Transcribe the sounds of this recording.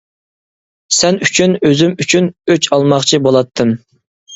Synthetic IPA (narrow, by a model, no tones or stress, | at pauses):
sɛnyt͡ʃʰynøzymyt͡ʃʰynøt͡ʃʰɑlˠmɑχt͡ʃʰibolˠɑt̪ʰːɨm